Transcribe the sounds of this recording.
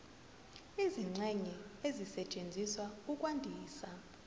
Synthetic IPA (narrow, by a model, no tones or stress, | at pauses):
iziŋ͡ǀɛŋɛezisɛt͡ʃʼend͡zʱiswaukʼwandʱiːsa